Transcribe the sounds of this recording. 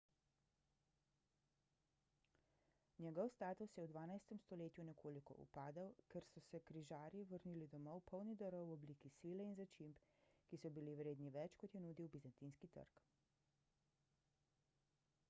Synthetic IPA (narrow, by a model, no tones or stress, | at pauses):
njɛɡɔwst̪aːt̪usjɛwd̪ʋaːnajst̪ɛmst̪ɔleːt̪junɛkʰoːlikɔ̰ʔṵpaːd̪əwkɛɾsɔsɛkɾiʒaːɾjiʋəɾniːlid̪ɔmɔwpʰɔwnid̪əɾɔwɔbliːkisiːlɛinzat͡ʃimpkisɔbiliwɾeːd̪niʋɛt͡ʃkɔt̪jɛnuːd̪iwbizant̪inskit̪ə̰ɾk